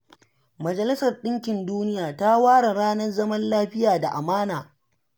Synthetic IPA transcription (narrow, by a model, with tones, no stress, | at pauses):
mɐ˨d͡ʒɐ˨lɪ˦sɐ˨rɗɪ˦ŋkʲɪ˨nduː˦nɪ˦jaː˨ta˦waː˦ɽa˨ɽaː˦nɐ˦rzɐ˦mɐ˦nlaː˦ɸɪ˦jaː˨da˨ʔa˨maː˦naː˨